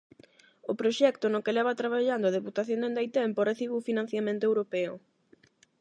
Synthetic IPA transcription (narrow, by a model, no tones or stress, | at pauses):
ʊpɾoʃɛkt̪onʊkelɛβat̪ɾaβaʎand̪oað̞eput̪aθjõnd̪end̪ajt̪ɛmporeθiβʊfinãn̟θjamẽnt̪oewɾopɛʊ̰